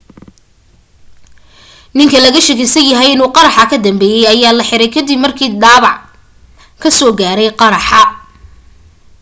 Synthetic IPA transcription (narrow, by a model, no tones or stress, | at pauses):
nɪŋkʰɐlɐɣɐʃɛkɪsɐnjɐɦɛjɪnuːqɑɾɑħɑkʰɐd̪ɐmbɛːjɛjɐjaːlɐħɪɾɛjkʰɐd̪ɪbmɐrkʰiːd̪aːβɑʕ | kʰɐsɔːɡaːɾɛjqɑɾɑħɑ